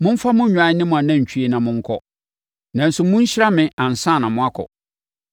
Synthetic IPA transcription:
mʊ̃˦ɱ̩˦fa˦mʊ̃˦ɲᶣʊ̃˨a˨˦nɪ̃˦mʊ̃˨a˨nã˦˨ɲ̩˨t͡ɕʰᶣi˦e˦nã˨mʊ̃˦ŋ̩˦kʰɔ˦ | nã˨n̩˦sʊ˨mʊ̃˦ɲ̩˦ɕɪ˦ɾa˦mɪ̃˨ʔã˨n̩˨sã˦˨nã˨mʊ̃˦a˦kʰɔ̰˨

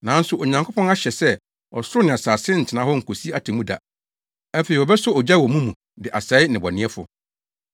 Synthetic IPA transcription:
nã˨˦n̩˦sʊ˨ʔo˨ɲã˨ŋkʰo˦pʰɔ̃˦na˦ɕɛ˨sɛ˦ | ɔ̰˨sʊ˦ɾʊ˦nɪ̃˨a˨saː˨sɪ̃˦n̩˨tʰɪ˨nã˨˦hɔ˦ŋ̩˨kʰo˨si˦a˦tʰɪ˨mũ˦da̰˨ | ɛ˦fe˨i˨wɔ˨bɛ˦sʊ˦ɔ˨d͡ʑa˦˨wɔ˨mũ˦mũ˨ | dɪ˨ʔa˨sɛ˨˦ɪ˦nɪ̃˨bɔ˨nɪ̃˦ɛ˦fʊ̰˨

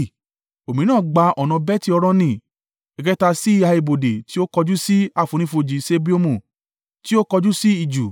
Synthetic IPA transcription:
o˨mĩ˨˦nãː˦˨ɡ͡ba˧ɔ˨nã˧bɛ˦ti˦ɔ˧ɾɔ̃˦nĩ˧˨ | ɛ˨kɛ˦ta˧si˦i˦a˧i˧bo˨de˨ti˦o˦kɔ˧d͡ʒu˦si˦a˦˨fũ˨˦ñĩ˧˦fo˧d͡ʒi˧se˦bi˦o˦mũ˨ | ti˦o˦kɔ˧d͡ʒu˦si˦i˦˨d͡ʒu˨

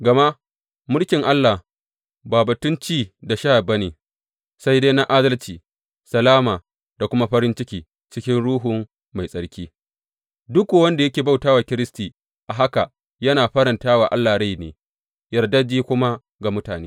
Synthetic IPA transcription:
ɡɐ˨ma˦ | mʊ˦lkʲɪ˨ŋʔa˦lːa˨ | baː˨bɐ˨tʊ˦nt͡ʃiː˦da˨ʃa˦ha˨bɐ˦neː˨ | sa˦jda˦na˦ʔaː˦dɐ˦lt͡ʃiː˨ | sɐ˨laː˦maː˨ | da˨kʷʊ˦ma˦ɸɐ˦ɾɪ˦nt͡ʃɪ˦kʲiː˨ | t͡ʃɪ˦kʲɪ˦nɽuː˦ɦʊ˨m | ma˨jsʼɐ˨ɽkʲiː˦ | dʊ˦ku˨wɐ˦nda˨jɐ˦kʲeː˨ba˦wtaː˦waː˨kʲɪ˦ɾɪ˦stiː˨ | ʔa˨ɦa˦ka˨ | jɐ˦naː˨ɸɐ˦ɾɐ˨ntaː˦waː˨ʔa̰˦lːaː˨ɽa˦jnḛː˨ | jɐ˨ɽda˦d͡ʒiː˦kʷʊ˦ma˦ | ɡa˨mʊ˦taː˨neː˦

